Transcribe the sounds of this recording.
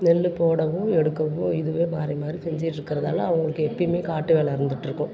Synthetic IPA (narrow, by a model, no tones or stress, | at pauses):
nɛlːɯpoːɽɐʋʊ̃ɛɽɯkːɐʋʊ̃ɪðɯʋeːmaːɾimaːd̪ɾisɛɲd͡ʒiʈːɪɾɯkːɪɾɐðaːlɐɐʋɐŋɡɐɭɯkːɯɛpːɐjmeːkaːʈːɯʋeːlɐɪɾɯnd̪ɯʈːɾɯkːʊ̃